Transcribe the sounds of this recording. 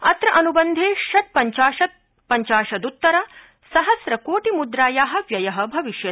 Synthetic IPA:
ɐt̪ɾɐʔɐnubɐnd̪ʱeːʃɐt̪̚pɐɲt͡ʃaːʃɐt̪̚ | pɐɲt͡ʃaːʃɐd̪ut̪ːɐɾɐ | sɐɦɐsɾɐkoːʈimud̪ɾaːjaːɦɐ̆ʋjɐjɐɦɐ̆bʱɐʋiʃjɐ

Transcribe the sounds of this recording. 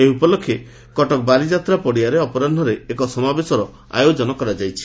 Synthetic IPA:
eupɔlɔkʰːje | kɔʈɔk̚balid͡ʒat̪ɾapɔɽiaɾeɔpɔɾanɖʱɔɾeːkɔsɔmabesɔɾɔ | a̰jod͡ʒɔnɔkɔɾad͡ʒajt͡ʃʰi̥

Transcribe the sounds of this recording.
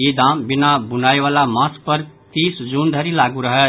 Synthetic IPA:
ed̪ambinabunajwalamaspʌɾt̪isd͡zund̪ʱʌɾilaɡuɾʌɦe

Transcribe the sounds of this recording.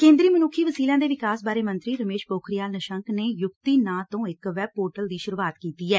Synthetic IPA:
kẽːnd̪ɾiːmənuːkʰiːʋəsiːlãːd̪eːʋɪkaːsbaːɾeːmə̃nt̪ɾiːɾəmeːʃpoːkʰɾijaːlnəʃəŋkneːjʊkt̪iːnãːt̪õːɪkʋɛːb̚poːʈəld̪iːʃʊɾuːaːt̪kiːt̪iːɛː

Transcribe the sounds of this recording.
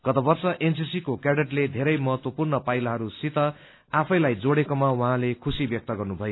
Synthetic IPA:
ɡ̥ʌt̪ʌbʌrsʌʔensisikokaɽeʈled̪ʱeɾʌjmʌɦʌt̪wʌpurnʌpajlaɦʌɾusit̪ʌ | apʰʌjlajd͡zoɽekomawʌɦãlekʰusibjʌk̚t̪ʌɡʌrnubʱʌjo

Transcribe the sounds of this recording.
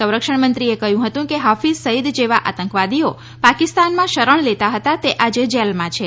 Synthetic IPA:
sə̃w̃ɾəkʂəɳmənt̪ɾiekəɦjũɦət̪ũkeɦafizsəɦid̪d͡ʒeʋaʔa̰t̪əŋkʋad̪io | pakist̪anmãʃəɾəɳ̃let̪aɦət̪at̪eʔad͡ʒed͡ʒelmãt͡ʃʰe

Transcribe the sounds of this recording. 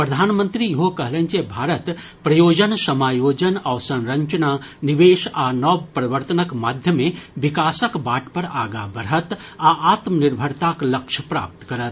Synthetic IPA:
pɾəd̪ʱaːnmə̃nt̪ɾijəɦokɐɦlẽnt͡ʃebʱaːɾət̪ | pɾɐjoːd͡ʒənsɐmaːjoːd͡ʒənaʋsɐ̃nɾəɲt͡ʃənaniʋeːʃanɔpɾɐʋəɾt̪ənəkmaːd̪ʱjəmẽʋɪkaːsəkbaːʈpəɾaːɡa̰bəɾət̪aaːt̪mnɪɾbʱəɾt̪aklɐkʃʰəpɾa̰ːp̚t̪kɐɾət̪

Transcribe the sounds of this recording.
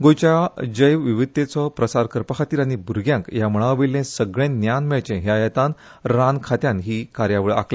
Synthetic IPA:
ɡojt͡ɕad͡ʑəjʋʋiʋit̪ːet͡sɔpɾəsaɾkəɾpəkʰat̪iːɾaɽ̃ibʱuɾɡjãŋkjaməɭ̃aʋilːẽsəɡɭẽnjanmɛɭt͡ɕẽɦjajɛt̪an | ɾankʰat̪jãnɦiːkaɾjaʋəɭa̰kle

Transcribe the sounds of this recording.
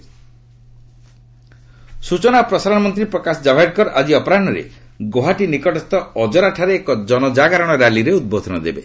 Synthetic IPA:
sut͡ʃɔnapɾɔsaɾɔɽ̃ɔmɔnt̪̬ɾipɾɔkasɔd͡ʒabʱeɖ̚kɔɾʔad͡ʒiɔpɔɾaɳɖɔɾḛ | ɡoɦaʈinikɔʈɔst̪ɔɔd͡ʒɔɾaʈʰaɾeːkɔd͡ʒɔnɔd͡ʒaɡaɾɔɽ̃ɔɾaliɾeud̪̚bod̪ʱɔnɔd̪ḛbḛ

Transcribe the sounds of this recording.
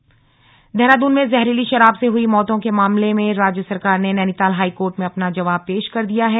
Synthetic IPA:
d̪ʱɛːɾaːd̪uːnmẽzɛɦɾiliʃɐɾaːbseɦʊimɔːt̪õkemaːmlemẽɾaːd͡ʒjəsɐɾkaːɾnenɛːnɪt̪aːlɦaːikoːɾʈmẽɐpnad͡ʒɐʋaːb̚peːʃkɐɾd̪ijaɦɛː

